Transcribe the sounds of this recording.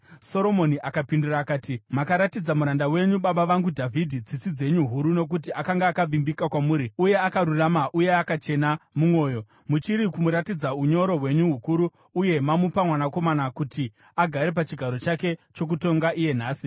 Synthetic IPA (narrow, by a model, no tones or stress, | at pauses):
so̞ɾo̞mo̞niʔakapinduraːkaːtimakaɾatid͡zamuɾandawe̞ɲuɓaɓaʋaŋɡudʱavʱidʱid͡zit͡sid͡ze̞ɲuɦuɾuno̞k̬ut̬iʔakaŋɡaːkaʋimbikakwamuːɾiuje̞akaɾuramaʔuje̞akat͡ʃe̞namumwo̞ːjo̞ | mut͡ʃiɾikumuɾatid͡zauɲo̞ɾo̞ɦwe̞ɲuɦukuɾuː | je̞mamupamwanako̞manakuti | aɡʱaɾe̞p̬at͡ʃiɡʱaɾo̞t͡ʃake̞t͡ʃo̞k̬uto̞ŋɡaʔije̞n̤aːsi